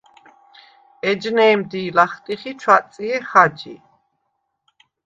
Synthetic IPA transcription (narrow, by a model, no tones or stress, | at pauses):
ɛd͡ʒnɛːmd̪iːlaχt̪ʼiχit͡ʃʰwat̪sʼiɛχad͡ʒḭ